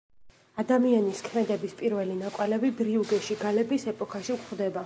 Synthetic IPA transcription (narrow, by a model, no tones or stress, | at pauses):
ad̪amianiskʰmɛd̪ɛbispʼiɾvɛlinakʼwɛlɛbibɾiuɡɛʃiɡalɛbisɛpʼɔkʰaʃikʰʼχvd̪ɛba